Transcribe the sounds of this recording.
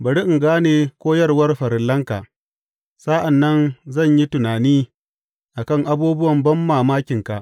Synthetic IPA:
bɐ˨ɽi˦ʔɪ˨ŋɡaː˦neː˨kʷoː˦jɐ˦rwɐ˦rɸɐ˨ɾɪ˨lːɐ˦ŋka̰˨ʔ | sa˦ʔa˨nːɐ˦nzɐ˦˨ɲji˦tʊ˨naː˨niː˦ | ʔa˨kɐ˦˨ŋʔa˦buː˦bʊ˦wɐ˨mbɐ˦mːaː˨maː˦kʲɪ˨ŋka̰˨ʔ

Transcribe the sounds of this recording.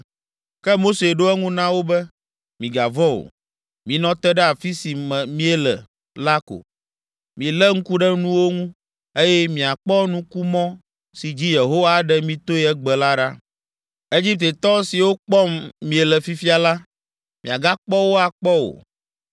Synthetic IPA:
kɛ˦mo˦se˨ɖo˦ɛ˦ŋũ˦nã˦wo˦bɛ˦ | mĩ˨ɡa˨vɔ̃˦o̰˨ | mĩ˨nɔ̃˦t̪ɛ˦ɖɛ˦a˨fi˦si˨mɛ̃˨mĩ˦ɛ˦lɛ̰˨ | la˦ko̰˨ | mĩ˨lɛ˦ŋ̩˦ku˦ɖɛ˦nũ˦wo˦ŋũ˦ | e˦jɛ˦mĩ˨a˨k͡pɔ˦nũ˦ku˦mɔ̃˦ | si˨d͡ʑi˦je˨ɦo˦wa˦ɖɛ˦mĩ˦t̪o˦ɛ˦ɡ͡bɛ˨la˦ɖa˦ | e˦d͡ʑi˦p̚t̪e˨t̪ɔ˦si˨wo˦k͡pɔ˦mːĩ˨e˨lɛ˨fi˦fi˦a˨la˦ | mḭ̃˨a˨ɡa˦k͡pɔ˦wo˦a˨k͡pɔ˦o̰˨

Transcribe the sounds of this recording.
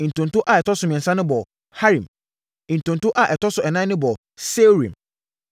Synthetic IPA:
ĩ˨n̩˨tʰʊ̃˨n˨tʊ˦ʔa˨ɛ˨tʰɔ˦sʊ˨mĩ˨ɛ̃˨nsã˦nʊ̃˦bɔ˨ | ha˦ɾĩ˨m | ĩ˨n̩˨tʊ̃˨n˨tʊ˦ʔa˨ʔɛ˨tɔ˦sʊ˨ɛ˨nã˦nʊ̃˦bɔ˨ | se˦ɾḭ̃˨m

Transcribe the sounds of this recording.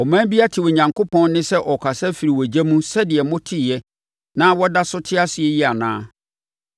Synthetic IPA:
ɔ˨mæ̃˦bi˦a˦tʰɪ˨wɔ˨ɲã˨ŋkʰo˦pʰɔ̃˦n˦nɪ̃˦sɛ˦ʔɔ˨kʰa˨sɛ˦fi˨ɾi˨wɔ˨d͡ʑæ˦mũ˦sɛ˦dɪ˨ɛ˨mʊ̃˦tʰi˦˨ɛ˦ | nã˦wɔ˦da˦sʊ˦tʰɪ˦a˦sɪ˨ɛ˦ji˦a˨nã̰ː˦

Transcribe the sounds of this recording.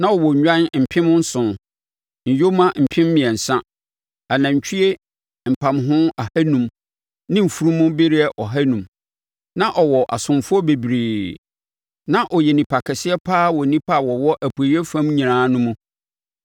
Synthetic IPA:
nã˦ɔ˨wɔ˨ɲᶣã˦nm̩˨pʰɪ̃˦mʊ̃˦n̩˦sʊ̃˨n˨ | ɲ̩˨jo˦mã˦m̩˨pʰɪ̃˦mː˦ɪ̃˨ɛ̃˨n̩˨sã˦ | a˨nã˨ɲ˨t͡ɕᶣʰi˦e˦ | m̩˨pʰã˨mɦʊ̃˦a˨hæ˦nũ˨m | nɪ̃˦m̩˨fu˦ɾũ˦mʊ̃˦be˦ɾi˦ɛ˦ʔɔ˨ɦæ˦nũ˨m | nã˦ʔɔ˨wɔ˨ʔa̰˨sʊ̃˨mfʊ˦ɔ˦be˨bɾeː˨ | nã˦ʔɔ˨jɛ˨nĩ˨pʰa˨kʰɛ˨sɪ˦ɛ˦pʰaː˦wɔ˨˦nĩ˦pʰa˦˨wɔ˨wɔ˦ʔæ˨pʰu˨e˨˦ɛ˦fã˦mɲĩ˨ãː˨˦nʊ̃˦mũ˦

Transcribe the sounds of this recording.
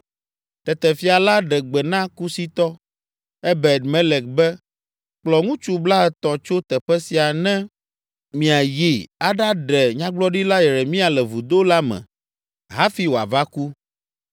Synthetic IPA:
t̪ɛ˨t̪ɛ˨fi˦a˨la˦ɖɛ˨ɡ͡bɛ˨nã˦ku˦si˦t̪ɔ˦ | ɛ˦bɛ˨d̪mɛ˦lɛ˨k̚bɛ˦ | k͡plɔ˨ŋũ˦t͡ʃu˦bla˦ɛ˨t̪ɔ̃˨t͡ʃo˦t̪ɛ˨ɸɛ˦si˨a˨nɛ̃˦ | mĩ˨a˨ji˨a˦˨ɖa˦ɖɛ˨ɲã˦ɡ͡blɔ˦ɖi˦la˦jɛ˨ɾɛ˨mĩ˦a˨lɛ˨vu˨d̪o˦la˦mɛ̰̃˨ | ɦa˦fi˦wo˨a̰˨va˦ku˦

